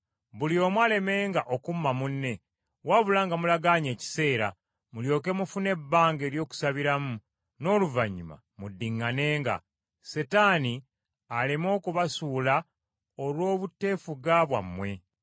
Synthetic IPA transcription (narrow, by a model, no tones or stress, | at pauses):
βulio̞mwale̞me̞ːŋɡaʔokumːamunːe̞ | waβulaːŋɡamulaɡaɲe̞ːci̥se̞ːɾa | muljo̞k̬e̞mufune̞bːaːŋɡe̞ːɾjo̞ːku̥saβiɾamu | no̞ːluvaɲːuma̰ | mudːiŋːane̞ːŋɡa̰ | se̞taːni | alemo̞ːkuβasuːla | olwo̞ːβutːe̞ːfuɡaβwa̰mːwe̞